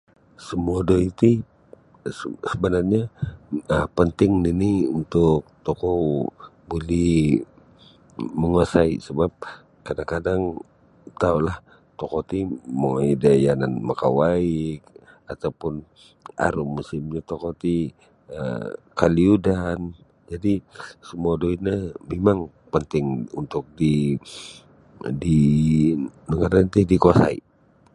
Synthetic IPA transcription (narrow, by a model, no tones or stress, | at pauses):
səmuadoit̪i | səbənarɲaəpənt̪ɪŋniniunt̪ʊk̚t̪okɔ | bolɛh | məŋuasaḭsəbap̚ | kadaŋkadaŋ | t̪aulah | t̪okot̪imoidajananmaka̰waɪk̚ | at̪aupʊn | a̰ɾʊmːusɪmɲat̪okot̪i | ə̰kaliudan | d͡ʒadisəmuadoinamemaŋ | pənt̪ɪŋunt̪ʊk̚di | di | nəŋaɾant̪ihdikoasa̰ḭ